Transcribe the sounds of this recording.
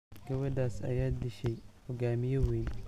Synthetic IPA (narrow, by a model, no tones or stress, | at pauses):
ɡ̥ɐwɐdaːsɐ̰jaːd̪ɪʃɛjhɔɡaːmɪjɔwiːn